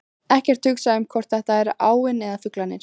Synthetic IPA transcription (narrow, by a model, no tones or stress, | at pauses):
ɛhcɛɾ̥t̪hʏksaʏmkʰvɔɾ̥t̪θɛht̪aɛɾʔaːwɪnɛðafʏklanːɪɾ̥